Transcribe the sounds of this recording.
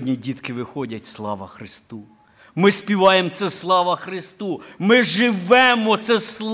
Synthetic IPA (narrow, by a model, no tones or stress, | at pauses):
dʲnʲidʲit̪kɪʋɪxɔdʲɐtʲslˠɑ̰ʋɐ̰xɾɪst̪u | mɪspʲiʋɑjemt̪sɛslˠɑʋɐxɾɪst̪umɪʒɪʋɛmɔt̪sɛslˠ